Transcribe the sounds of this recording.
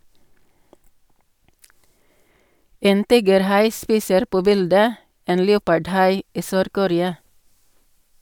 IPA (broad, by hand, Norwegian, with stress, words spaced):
ˈeːn ˈtiːɡəɾˌhɑɪ ˈspiːsəɾ ˈpoː ˈbɪldə ˈeːn ˈleːʊpɑɖˌhɑɪ ˈiː ˈsøːɾkʊˌɾeːɑ